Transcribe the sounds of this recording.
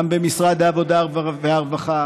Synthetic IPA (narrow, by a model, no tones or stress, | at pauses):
mbemisʁad̪eavod̪aveaʁvaχa